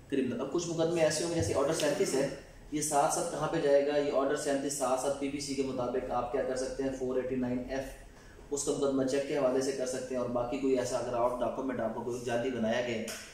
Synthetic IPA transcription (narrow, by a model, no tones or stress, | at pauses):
kɐɾiːbnənɐb̚kʊt͡ʃʰmʊkəd̪mẽɛːseõmed͡ʒɛːseʔɔːɾɖəɾsɛːnt̪ɪsɦɛː | jesaːt̪ʰsaːt̪̚kɐɦãped͡ʒaːeːɡajeɔːɾɖəɾsɛːnt̪ɪsːaːt̪ʰsaːt̪̚piːbiːsikemʊt̪aːbɪkaːp̚kjaːkɐɾsɐk̚t̪eɦɛ̃foːɾeːʈinaːɪnɛf | ʊskamʊkəd̪ːmat͡ʃɛkːeɦɐʋaːlesekɐɾsɐk̚t̪ẽɦɛ̃ɔːɾbaːkikoːiɛːsaɡɾaːʊ̃ɳʈ̚ɖaːpkumɛ̃ɳʈaːp̚kokoːid͡ʒaːd̪ibɐnaːjaɡɐẽ